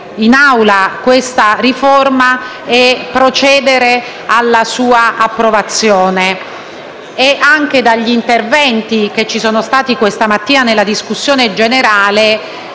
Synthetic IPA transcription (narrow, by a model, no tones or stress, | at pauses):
inawlakwest̪ariforma | ɛpːɾot͡ʃɛːd̪eɾe | alːasuːaʔapːɾovat̪sːjoːne | ʔaŋk̟ed̪aʎːint̪ervɛnt̪ik̟et͡ʃːisoːnost̪aːt̪ikwest̪amat̪ːiːnanelːad̪iskusːjoːned͡ʒeneɾaːle